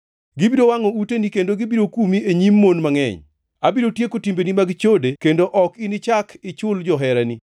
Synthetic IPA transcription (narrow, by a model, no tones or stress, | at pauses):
ɡibiɾowaŋɔutenikendoɡibiɾokumieɲimːonmaŋɛ̰ɲ | abiɾotjekotimbenimaɡt͡ʃodekendoʔɔkinɪt͡ʃakʰɪt͡ʃʊld͡ʒɔɦɛɾani